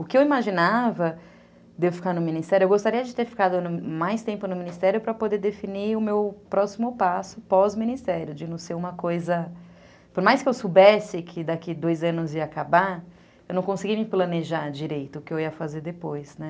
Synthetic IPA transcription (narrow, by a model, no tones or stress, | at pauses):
ʊkɪewimaʒinavɐ | d̪evʊfi̥kaɾnʊmĩnist̪ɛɾjʊewɡost̪aɾiɐd͡ʒɪt̪eɾfi̥kad̪ʊnʊmajst̪ẽmpʊnʊmĩnist̪ɛɾjʊpɾɐpod̪eɾd̪efiniʊmewpɾɔsimʊpasʊpɔzmĩnist̪ɛɾjʊd͡ʒɪnɐ̃w̃seɾũmɐkojzɐ | poɾmajskɪewsobɛsɪkʰɪd̪akɪd̪ojzɐ̃nʊziɐːkaba | ewnɐ̃w̃kõsɪɡimɪplɐ̃neʒaɾd͡ʒiɾejt̪ʊʊkɪewiɐfazeɾd̪epojsnɛ